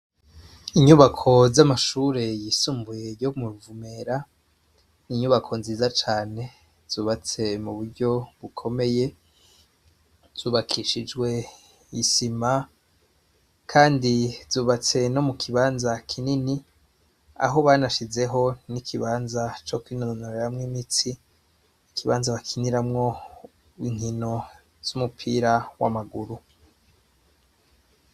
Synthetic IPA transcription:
iɲuβakʰo̞zamaʃuːɾe̞jisuːmbuje̞ɾjomuɾuvume̞ɾa | iɲuβakʰo̞nziːzat͡ʃaːne̞ | z̥uːβat͡se̞muβuɾɟo̞βukʰo̞me̞je̞ | z̥uːβakʰiʃid͡ʒwe̞ | isima | kʰaːndiz̥uːβat͡se̞no̞mukʰiβaːnzakʰinini | a̰ɦo̞βaːnaʃize̞ɦo̞nikʰiβaːnzat͡ʃokwiːnononaɾeɾamŋimit͡si | ikʰiβaːnzaβakʰiniɾamŋo̞ | iŋ̥hino̞ | z̥umupʰiːɾawa̰maɡuɾu

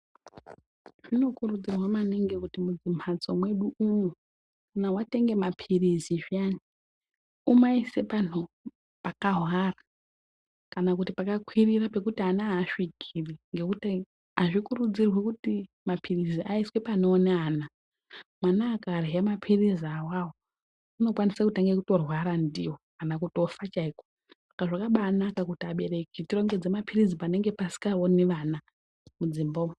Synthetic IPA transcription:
ʐ̥ino̞kurud͡zirwamaneŋɡekutimud͡zim̤at͡somwe̞ɗuuno̞ | kanawate̞ŋɡe̞mapʰiriziʐiani | umaisepanu | pakaɦwara | kanakutipakakwirirape̞kutianaːʃiɡʱiriŋɡe̞kute | aʐikurud͡zirwekuti | mapʰiriziʔaiswepanoːneaːna | mwanaːkareemapʰiriziawawo | uno̞kwanisakutaŋɡekuto̞rwaɾandiwokanakuto̞fat͡ʃaiko | sḁkaʐakaɓanakakutiaɓe̞ɾe̞kitiro̞ŋɡe̞d͡zemapʰirizipane̞ŋɡe̞pasi̥kaoniʋana | mud͡ziːmbo

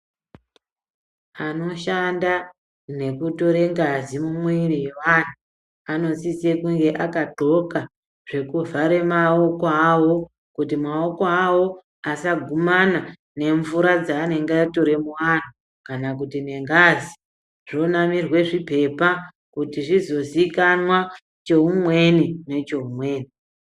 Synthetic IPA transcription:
ano̞ʃanda | ne̞kuto̞ɾe̞ŋɡazimumuirije̞ʋan̤u | ano̞nsisekuŋɡe̞ʔakaǃo̞ka | ʐ̥e̞kuvʱaɾe̞mao̞koawo̞ | kutimao̞koawo̞ | asaɡʱumana | ne̞ɱvuɾad͡zaːne̞ŋɡeaito̞ɾe̞muʋan̤u | kanak̬utine̞ŋɡazi | ʐ̥o̞namirwe̞ʐipe̞pa | kutiʐizo̞zikanwa | t͡ʃeumwe̞nine̞t͡ʃe̞umwe̞ːni

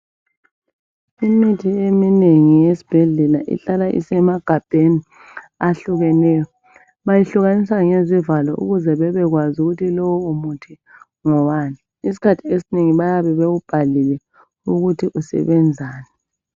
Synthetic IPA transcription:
imitʰiemineŋijesi̥b̥ʱɛɮɛlaʔḭɬalaʔḭsɛmaɡ̥ʱab̥ʱeni | aɬuɣɛnɛjɔ | βajiɬuɣanisaŋezivalɔʔṵɣuzɛβɛβɛɣwazuɣutʰilɔwɔumutʰi | ŋɔwana | is̬i̥kʰatʰiesineŋiβajaβɛβeɣub̥ʱalilɛ | uɣutʰiʔusɛ̰βɛnd͡zʱaːnɛ

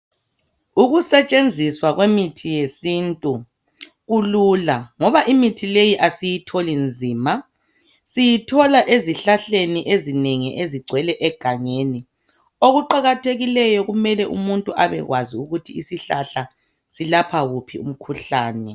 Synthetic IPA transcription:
uɣusɛt͡ʃʼend͡zʱiswaɣwemitʰijesintʼu | ɣululaŋɔβaʔimitʰilejiʔasijitʰolind͡zʱiːma | sijitʰɔlaʔeziɬaɬeniʔezineŋiʔeziɡ͡ǀʱwɛlɛʔɛɡ̥ʱaŋeːni | oɣuǃaɣatʰeɣilɛjɔɣumɛlɛʔumuntʼuʔaβɛ̰ɣwaziuɣutʰiisiɬaɬa | silapʰaɣupʰiṵm̩kʰuɬaːnɛ

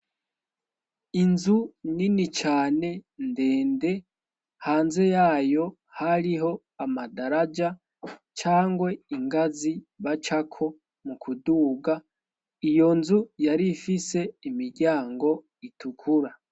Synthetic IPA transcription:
inzuninit͡ʃaːne̞nde̞ːnde̞ | haːnze̞jaːjo̞ | haɾiɦo̞ | amadaɾad͡ʒa | t͡ʃaːŋɡwe̞iŋɡaziβat͡ʃakʰo̞ | mukʰuduːɡa | ijo̞nzujaɾifise̞imiɾɟaːŋɡo̞ | itukʰuɾa

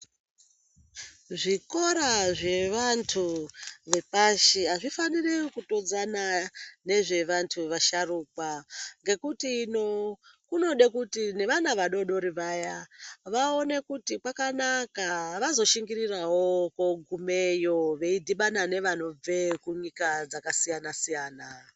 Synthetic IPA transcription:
ʐiko̞ɾaʐe̞ʋantʰuʋe̞paʃiɦaʐifanirikuto̞d͡zanane̞ʐe̞ʋantʰuʋaʃaruːkwaŋɡe̞kutinokuno̞ɗekutine̞ʋanaʋaɗo̞ɗo̞ɾiʋajaʋao̞ne̞kutikwakanakaʋazo̞ʃiŋɡiɾirawo̞koɡʱume̞jo̞ʋe̞idʱiɓanane̞ʋano̞b͡ve̞kuɲikad͡zakasijanasijaːna

